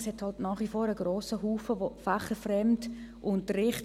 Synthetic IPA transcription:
shɛthɑltnaːχʋifɔːɾəɡ̥ɾoːsəɦuːfəvofaχəfrɛmtʔʊntəɾɪχt

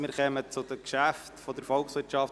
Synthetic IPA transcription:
mɪːɾχɛmət͡sʊdəkʃæftfɔd̪əɾfɔlˠksʋɪɾt͡ʃɑft

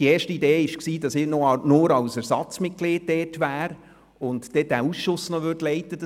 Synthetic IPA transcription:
dieːʃtəideːɪʃksiːd̥ɑsɪnɔnʊːɾɑwsæɾsɑt͡smɪtkleːt̚tɛːtʋæːɾ | ʊntd̥ɛd̥æːusʃʊsnɔʋødlɛɪtəd̥

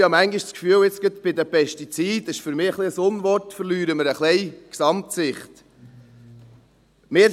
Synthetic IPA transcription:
hɑmæŋɡɪʃskfyːlɪt͡sɡ̥ət̪b̥ɪd̪əpʰɛʃtit͡siːd̪ɪʃfʏɾmɪːəχliəsʊnʋɔrtfəɾlyːɾəməɾəχlɛɪksɑmt̪sɪχt̪ | mɪː

